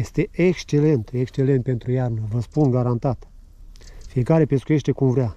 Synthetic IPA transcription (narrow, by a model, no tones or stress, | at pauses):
jest̪e̞ʔekst͡ʃe̞le̞nt̪ekst͡ʃe̞lent̪̚pe̞nt̪ɾujarnəvəspunɡaɾant̪at̪ | fije̞kaɾe̞pe̞skuje̞ʃt̪e̞kumvɾea